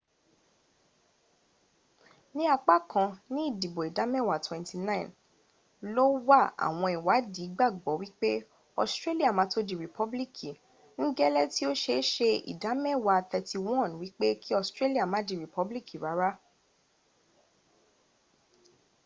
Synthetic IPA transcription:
nĩ˦a˧k͡pa˦˨kã˧nĩ˦i˦˨di˨bo˨i˨da˨˦mɛ̃˦˨wa˨twɛ̃˨nti˧nã˦ĩ˨n | lo˦wa˦˨a̰˨w̃ɔ̃˧i˨wa˨˦di˨˦ɡ͡ba˦˨ɡ͡bɔ˨˦wi˦k͡pe˦ | ɔ˧stɾe˦li˦a˦˨mã˨˦to˦dĩ˨ɾi˨pɔ˦bli˦kʰi˨ | ŋ̩˦ɡɛ˦lɛ˦ti˦o˦ʃe˧˦ʃe˧ḭ˨da˨˦mɛ̃˦˨wa˧t̪ɛ˧ti˧wɔ̃˦˨nwi˦k͡pe˦kʰi˦ɔ˧stɾe˦li˦a˦˨mã˨˦dĩ˧ɾi˨pɔ˨˦bli˦kʰi˦˨ɾa˨˦ɾa˦

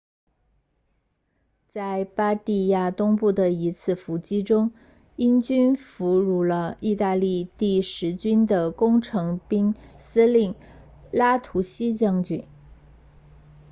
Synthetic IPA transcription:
t͡sa˥˩ɪpa˥t̪i˥˧ja˥˩t̪ʊ˥ŋpu˥˩d̪ə˩i˧˥t͡sʰɹ̩˥˩fu˧˥t͡ɕi˥ʈ͡ʂʊ˥ŋ | i˥nt͡ɕy˥nfu˧˥ɻu˥˩lə˧i˥˧t̪a˥˧li˥˧t̪i˥˩ʂɻ̩˧˥t͡ɕy˥nd̪ə˨kʊ˥ŋʈ͡ʂʰɤ˧˥ŋpi˥ŋsɹ̩˥li˥˩n | la˥t̪ʰu˧˥ɕi˥t͡ɕjɑ˥˧ŋt͡ɕy˥˩n

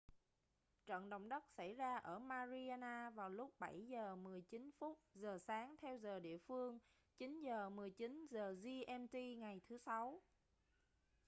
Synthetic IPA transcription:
t͡ɕə̰˧˨nɗə̰˧˨wŋ͡mɗə˦˥t̚sa˧˩jzaː˧ʔəː˧˩maː˧zi˧aː˧naː˧vaː˨˩wlʊ˦˥k͡p̚ɓa˧˩jzəː˨˩mɨ˨˩əjt͡ɕi˨˦nfu˦˥t̚zəː˨˩saː˨˦ŋt̪ʰɛ˧wzəː˨˩ɗḭ˧˨əfɨ˧əŋ | t͡ɕi˨˦nzəː˨˩mɨ˨˩əjt͡ɕi˨˦nzəː˨˩zi˧ʔɛ˧mt̪i˧ŋa˨˩jt̪ʰɨ˨˦sa˨˦w

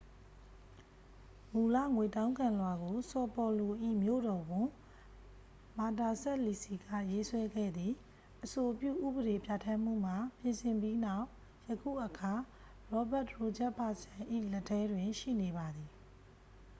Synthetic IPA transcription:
mu˨la̰˦˨ŋwe˨tã˦ʊ̃ŋkã˨lwa˨ɡo˨sɔ˨pɔ˨lo˨ʔḭ˦˨mjo̰˦˨ɾɔ˨ɡʊ̃˨ | ma˨ta˨sɛ˦ʔli˨si˨ɡä̰˦˨je˦swɛ˦ɡɛ̰˦˨d̪ði˨ | ʔəso˨pjṵ˦˨ʔṵ˦˨bə˨ɾe˨pja˨tʰã˦m̥ṵ˦˨ma˨pjɪ̃˨nsɪ̃˨mbji˦na˦˨ʊ | jəkʰṵ˦˨ʔəkʰa˨ | ɹɔ˦ba˦˨tɹo˨d͡ʑɛ˦ʔpʰa˨sã˨ʔḭ˦˨lɛ˦tʰːɛ˦dwɪ̃˨ʃḭ˦˨ne˨ba˨d̪i˨

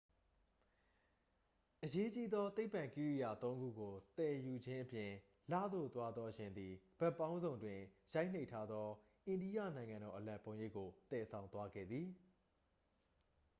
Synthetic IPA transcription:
ʔəje˦t͡ɕi˦d̪ɔ˦t̪e˦ɪpːã˨ŋki˦ɹi˦˨ja̰˨t̪õ˦ʊ̃ŋɡṵ˦˨ɡo˨t̪ɛ̃˨ju˨d͡ʑɪ̃˦ʔəpjɪ̃˨ | la̰˦˨d̪o̰˦˨t̪wa˦d̪ɔ˦ɕɪ̃˨nd̪i˨b̥ɛ˦pːã˦ʊ̃nzõ˨ʊ̃ndwɪ̃˨ja˦ɪʔn̥e˦ɪʔtʰa˦d̪ðɔ˦ | ʔɪ̃˨ndi˦jä̰˦˨nã˨ɪ̃ŋã˨ndɔ˨ʔəlã˨mpõ˨ʊ̃je˦˨ʔkːo˨t̪ɛ˨sʰã˨ʊ̃nt̪wa˦ɡɛ̰˦˨d̪ði˨

